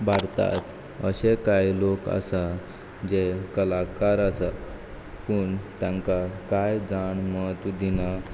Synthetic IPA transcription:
baɽt̪a̰t̪ | əɕekajlokə̰sa | d͡ʑekəlakaɾəsa | puɳt̪jãŋkakajd͡zaɳmət̪d̪ina

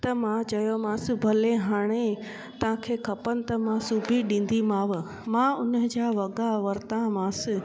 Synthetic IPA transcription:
t̪ɐmãt͡ɕɐjomãːsɪ̆bʱɐlẽɦaːɽ̃e | t̪ɐʋ̤ãkʰeːkʰɐpənɪ̆t̪ɐmãsuːbʱiɗĩːn̆d̪imaːʋ | mãːʊnəd͡ʑaːʋɐɡaʋɐɾt̪ãmãːsɪ

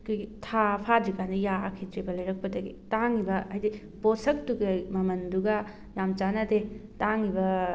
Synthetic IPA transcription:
kʰojɡitʰapʰadɾikandijakʰitɾibɐlɐjɾɐk̚pɐdɐɡḭtaŋibɐːjdi | bosɐk̚tuɡɐmɐmɐnduɡɐ | jamt͡ʃanɐdetaŋibɐ

